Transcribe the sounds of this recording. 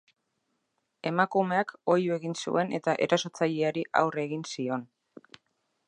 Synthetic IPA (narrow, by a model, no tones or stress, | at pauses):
e̞makume̞ako̞jue̞ɣinsṵe̞ne̞̰t̪aʔe̞ɾaso̞t͡saʎeaɾiʔa̰wre̞ɣinsio̞n